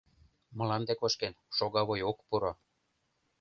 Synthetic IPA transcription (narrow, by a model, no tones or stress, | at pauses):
mɤ̆lɑnd̪ekoʃkenʃoɣɑβojokpuɾo